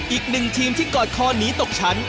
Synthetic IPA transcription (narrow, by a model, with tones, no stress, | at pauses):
ʔiː˨˩k̚nɯ˨˩ŋt̪ʰiː˧mt̪ʰiː˥˩kɔː˨˩t̪̚kʰɔː˧niː˨˦˥t̪o˨˩k̚t͡ɕʰa˦˥n